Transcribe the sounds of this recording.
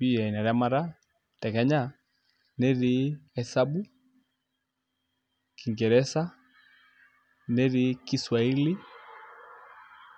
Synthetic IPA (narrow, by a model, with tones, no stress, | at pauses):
bi˦jɛ˨i˨na˨ɾa˦ma˦ɾa˦ | tɛ˨kɛ˦ɲa˦˨ | nɛ˦ɾi˦ɛ˨sa˦bu˦ | ki˨ŋɡɛ˨ɾɛ˦sa˦ | nɛ˦ɾi˨ki˦swa˨i˦li˦